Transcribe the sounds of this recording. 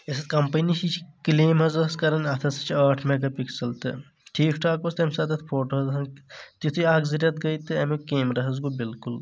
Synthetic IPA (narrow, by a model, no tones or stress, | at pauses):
esɐt̪kɐmpɐniʃit͡ʃʰi̥kleːmɦɐzɐɐskɐɾɐnʲɐt̪ʰɐsɐ̥t͡ʃʰiaːʈʰmeɡɐpikʰsɐlt̪ɨ̰ | ʈʰiːkʰʈʰaːk̚bɐst̪emsɐːd̪ɐt̪ʰpʰoːʈoɦɐzɦɐnt̪it̪ʰuaːɡzɐɾjɐt̪ɡɐjt̪ɨɐmekeːmɾɐɦɐzɡubilkul